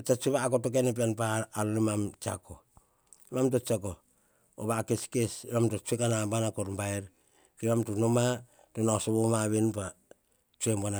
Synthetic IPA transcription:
t͡ʃat͡ʃuβaːkotokenep̬ianpaːlonimamt͡ʃa̰ko | imamt̬ot͡ʃako | o̰βaːkeskesimamtot͡ʃuekanabanakoɾmbaeɾ | kimamtunoma | tonaosoβomaβinpa | t͡ʃuembana

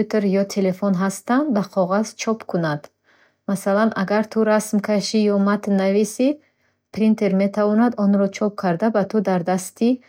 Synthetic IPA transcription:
ut̪ʰeɾjɔt̪ʰe̞le̞fonɦast̪and̪b̪aqʰɔʁaz̥t͡ʃʰɔpkʰunad̪̥ | masalanʔaɡaɾt̪ʰuɾasmkʰaʃijɔmat̪navisi | pʰɾint̪ʰe̞ɾme̞t̪ʰavɔnad̪ɔnɾɔt͡ʃʰɔp̚kʰaɾd̪abat̪ʰud̪aɾd̪ast̪ʰi

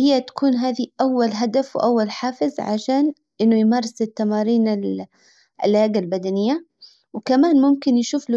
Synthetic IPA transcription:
hɪjːat̪ḁkuːnɦaːðiʔawːalɦad̪afwʔawːalħaːfɪzʕa̰ʃaːn | ʔɪnːʊjmɑːɾˤɪsɪt̪ːamɑːɾiːnɪl | ʔɪ̰lhaːɡalbad̪anɪjːa | wkamaːnmʊmkɪnjʃuːfl

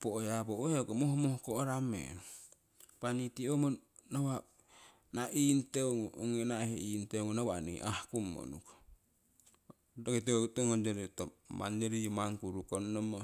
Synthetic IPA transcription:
poʔojaboeokomohmohkoʔoɾamḛnu | panitiomo | nawa | naʔinteŋoŋenaheintemonawanḭʔahkumːo̰nṵko̥ | dokiteutoŋond͡ʒeɾitoma̰nd͡ʒeɾijumaŋkuɾukonnomo

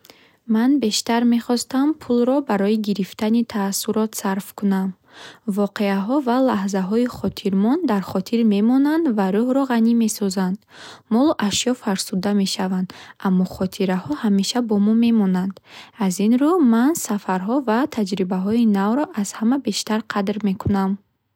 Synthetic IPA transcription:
manbe̞ʃt̪aɾme̞χɔst̪ampʰulɾɔbaɾɔiɡiɾift̪ʰanit̪ʰasuɾɔt̪saɾfkunam | vɔqe̞aɦɔvalaɦzaɦɔiχɔt̪ʰiɾmɔnd̪aɾχɔt̪ʰiɾme̞mɔnand̪vaɾuhɾɔʁanime̞sɔzand̪̥mɔluʔaʃjɔfaɾsud̪ame̞ʃavand̪amːɔχɔt̪ʰiɾahɔhame̞ʃabɔmɔme̞mɔnand̪azinɾumansafaɾɦɔvat̪ʰad͡ʒɾibaɦɔinavɾɔʔaz̥hamabe̞ʃt̪aɾqʰad̪ɾme̞kʰunam

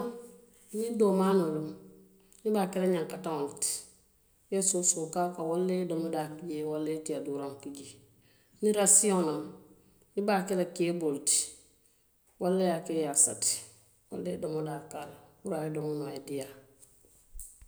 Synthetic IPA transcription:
nidoːmaːnulum | nibakeleɲãŋkataŋolti̥ | jesosokaːkawolːedomodakiɟewalːetiaduɾaŋkiɟi | niɾasionam | nibakelekebolti̥ | walːajakejasa̰ti̥ | wa̰lːedomodakalwuɾaidomonoedija

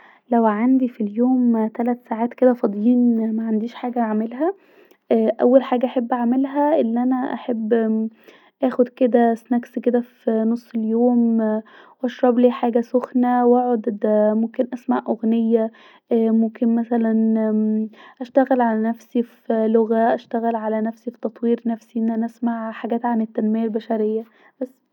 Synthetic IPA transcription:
læwʕand̪ifiljoːmt̪ælæt̪saːʕaːt̪ked̪æfɑd̪ˤjiːnmæʕand̪iːʃħaːɡæʕmelɦæ | æʔæ̰wːælħaːɡæʔaħebːʔæʕmelɦæʔelːiʔænæʔæħebː | ʔæːxod̪ked̪æsnæksked̪æfinosˤːeljoːm | wʔæʃɾˤɑbliːħaːɡæsoxnæwʔæʕod̪d̪momkenʔæsmaʕʔoɣnejːæː | momkenmæsælæn | ʔæʃt̪æɣælʕalænæfsifloɣæʔæʃt̪æɣælʕalænæfsifi̥t̪ɑt̪ˤwiːɾnæfsiʔenːʔænæʔæsmaʕħaɡæːt̪ʕanet̪ːænmejælbæʃæɾejːæ | bæsː

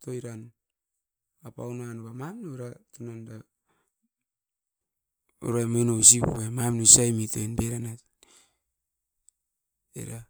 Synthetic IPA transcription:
tojɾan | apa̰wnanuβamamnuɾatunanda | o̰ɾamonos̬ipṵβamamnusajmitoenbeɾanat | ḛɾa

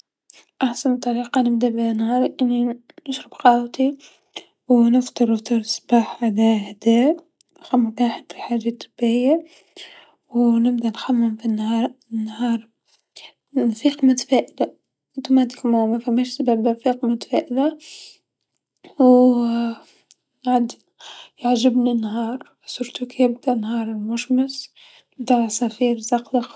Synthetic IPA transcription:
ʔaħsant̪ˤːɑɾiːqɑnɪb̚d̪abnːhɑːɾʔɪnːi | nəʃɾəbqɑːwt̪i | wnəft̪ˤɨɾˤəft̪ˤɨɾˤsb̥aːħʕalæhd̪æːʔ | nxamːmaːħəd̪fiħaːʒat̪ʰːʊb̥ɪjːa | wnɪb̚d̪anxamːɪmfinːhɑːɾˤnːhɑːɾˤ | nfiːqmʊt̪ḁfæːʔɪd̪a | ʔɪnt̪umæd̪ɪkmamæfæmːæːʃsababnfiːqmʊt̪ḁfæːʔɪd̪a | w | nʕad̪ | jaʕʒɪbnanːɦɑːɾˤ | sʊɾt̪ukjɪb̚d̪aʔnːhɑːɾˤɪlmʊʃmɪs | bd̪aʕsafiːɾzɑqd̪ɑq

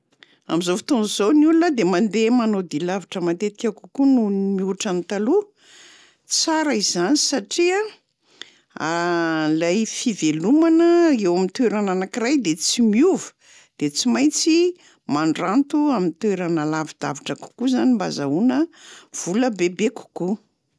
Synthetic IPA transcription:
amizofi̥t̪onzuzowniulunəd̪emand̪emanod̪ilaviʈ͡ʂəmat̪et̪i̥kʲakukunumiuʈ͡ʂanit̪alu | t͡saɾaizanisaʈ͡ʂia | alajfivelumanəewamint̪weɾananakiɾajd̪et͡simiuvə̥ | d̪̥et͡simajt͡si | maɳɖ͡ʐant̪uamint̪weɾanəlavid̪̥a̰vaʈ͡ʂəku̥kuzanimbazaunəv̥uləbebeku̥ku

